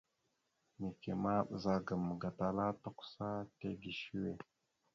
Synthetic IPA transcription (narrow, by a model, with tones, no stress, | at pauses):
mi˨ke˨ma˦ɓə˨za˦ɡə˨mə˨ɡa˨ta˨la˦to˦kʷsa˦te˦ɡi˨ʃi˦we˨